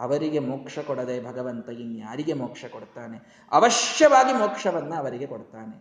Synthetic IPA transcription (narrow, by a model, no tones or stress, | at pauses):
ɐʋɐɾiɡe̞moːkʂɐkoɽɐd̪ebʱɐɡɐʋɐnt̪ɐjinja̰ːɾiɡe̞moːkʂɐkoɽt̪aːne | ɐʋɐʃjɐʋaːɡimoːkʂɐʋɐnːɐːʋɐɾiɡe̞koɽt̪aːne